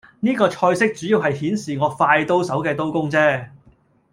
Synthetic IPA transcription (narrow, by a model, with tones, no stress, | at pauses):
niː˥kɔː˧t͡ʃʰɔː˧jsɪ˥k̚t͡syː˨˥jiː˨˧wɦɐ˨jhiː˨˥nsiː˨˩ŋɔː˨˧faː˧jt̪o˥wsɐ˨˥wkɛː˧t̪̬o˥wkʊ˥ŋt͡sɛː˥